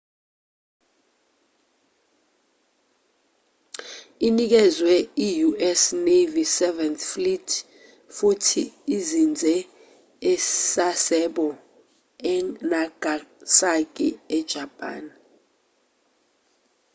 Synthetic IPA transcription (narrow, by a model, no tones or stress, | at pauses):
inik̬ɛzwɛijuʔɛsnevisɛvɛnθflitʰʼ | futʰiːzind͡zʱɛ | ɛsasɛɓɔ | ɛnaɡ̥ʱasak̬ʼiɛd̥ʒ̥ʱapʼa̰ːn